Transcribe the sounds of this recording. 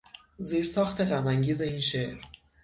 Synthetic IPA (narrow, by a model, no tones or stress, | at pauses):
ziːɾsɒːxt̪ʰe̞ɣæmæŋɟiːze̞iːnʃeʔɾ